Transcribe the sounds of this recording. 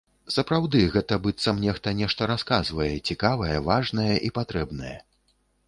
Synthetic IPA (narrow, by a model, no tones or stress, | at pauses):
sɐpɾawd̪ɨɣɛt̪ɐbɨt̪sɐmnʲɛʂt̪ɐnʲɛʂt̪ɐɾaskazvɐjɛt͡sʲikavɐjɐvaʐnɐjɛʔipat̪ɾɛbn̪ɐjɛ̰